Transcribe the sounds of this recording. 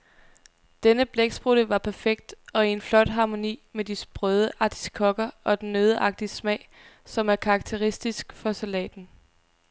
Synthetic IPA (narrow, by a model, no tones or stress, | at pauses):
d̥enəb̥leɡ̥sb̥ʁuɾ̥əʋɑ̈pʰæɐfeɡ̥̚d̥ɒ̽ienflɒ̽d̥ɦɑ̈mo̝nḭːmed̥isb̥ʁœð̞ˠəʔɑ̈t͡sʰi̥skʰɒ̽ɡ̥ɐɒ̽d̥enːøːð̞ˠəʔɑ̈ɡ̥̚d̥ismɛ̰ːɪ̰ | sɒ̽mæɐkʰɑ̈ːɡ̥̚t͡sʰeʁisd̥isɡ̥fɒ̽sælɛ̰ːd̥n̩